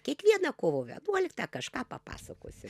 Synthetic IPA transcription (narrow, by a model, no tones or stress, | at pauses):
kʲiɛkʋʲiɛnɐkoːʋoʋʲɛ̰ɐnuɔlʲɪkt̪ɐkɐʃkɑːpɐpɑ̰ːsɐko̰ːsʲɪ